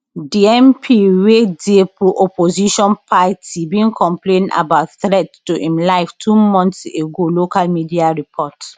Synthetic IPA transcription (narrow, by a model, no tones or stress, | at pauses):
diɛ̃mpʰiwedepuʔɔpoziʃɔ̃npʰatʰibĩnkʰɔ̃mplẽna̰batθɹɛttuʔĩmlaɪftʰumɔ̃ntseɡolokalmidiaɹipʰɔt